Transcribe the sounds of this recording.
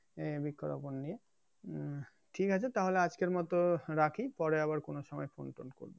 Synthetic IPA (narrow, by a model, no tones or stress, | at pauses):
ebikʰːoɾa̰ponːije | ʈʰikat͡ɕʰet̪aɦolead͡ʑkeɾmɔt̪oɾakʰipɔɾeaβaɾkonoʃɔmɔefonʈo̰nko̰ɾbe